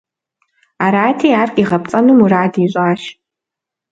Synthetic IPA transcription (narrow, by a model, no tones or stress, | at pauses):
aːɾaːtʰiːaːrkʼiʁɐp̚t͡sʼɐnumuɾaːdiːɕʷʼaːʃ